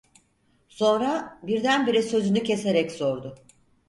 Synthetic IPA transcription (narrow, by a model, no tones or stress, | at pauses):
so̞nɾabiɾd̪ænbiɾɛsø̞zynycʰese̞ɾɛcso̞ɾd̪ʊ